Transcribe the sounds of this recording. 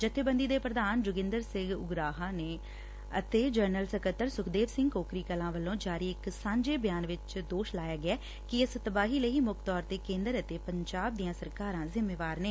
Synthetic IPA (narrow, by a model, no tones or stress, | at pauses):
d͡ʒət̪ʰːeːbə̃nd̪iːd̪eːpɾəd̪aːnd͡ʒʊɡɪ̃nd̪əɾsɪ̃ŋɡʊ̰ɡɾaːɦaːneː | ə̰t̪eːd͡ʒəɾnəlsəkət̪ːəɾsʊkʰd̪eːʋsɪ̃ŋɡkoːkɾiːkəlãːʋəlːõːd͡ʒaːɾiːɪksãːɲd͡ʒeːbɪjaːnʋɪt͡ʃd̪oːʃlaːjaːɡɪɛː | kɪɪst̪əbaːɦiːləiːmʊkt̪ɔːɾt̪eːkẽːnd̪əɾət̪eːpəɲd͡ʒaːb̚d̪ijãːsəɾkaːɾãːzɪmːeːʋaːɾneː